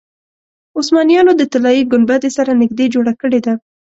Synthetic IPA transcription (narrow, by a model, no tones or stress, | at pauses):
ʊsmɑnijɑnod̪ət̪alɑjiɡʊnbat̪esaɾanɪɡd̪ed͡ʒoɽakəɽed̪a